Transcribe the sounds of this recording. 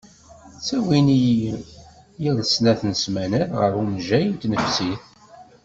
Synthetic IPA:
t͡sːæwini | jiðˤəsnæθnəsmænəɾʁə̰ɾunʒæjənt̪nəfsiθ

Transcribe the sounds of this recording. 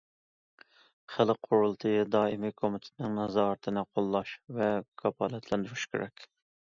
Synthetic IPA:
χælqʰoɾulˠt̪ʰɨjd̪ɑːimikʰomɪt̪ʰɪ̥t̪ɪnɪŋnɑzɑɾt̪ʰɨnɨqʰolˠːɑʃvɛkʰɑpʰɑːlɛt̪ʰlɛnd̪yɾyʃkʲʰḛɾʔɛkʲ

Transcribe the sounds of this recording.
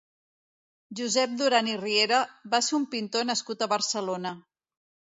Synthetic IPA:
ʒuzɛp̚d̪uɾanirieɾəβaseumpint̪onəskut̪əβəɾsəlonə

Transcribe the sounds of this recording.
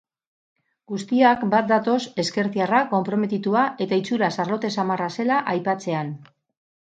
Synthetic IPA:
ɡ̥ust̪iakbat̪̚d̪at̪o̞se̞ske̞ɾθiarako̞mpɾo̞me̞t̪it̪uaʔe̞t̪ait͡suɾasaɾlo̞t̪e̞samarase̞laʔajpat͡se̞an

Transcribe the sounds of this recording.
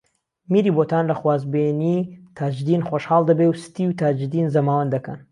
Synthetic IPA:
miɾiːbot̪ʰaːnlɐxwaːzbenit̪ʰaːd͡ʒɨd̪iːnxoʃhaːlˠd̪ɐbewsɨ̥t̪iwt̪ʰaːd͡ʒɨd̪inzɐmaːwɐnd̪ɐkɐ̰n

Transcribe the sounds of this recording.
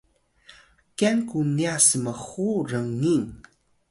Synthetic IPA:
kenkuniasəməxuɾəŋːin

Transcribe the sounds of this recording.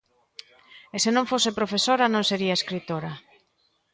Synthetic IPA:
esenõŋfosepɾofesoɾanõŋseɾiaeskɾit̪oɾa

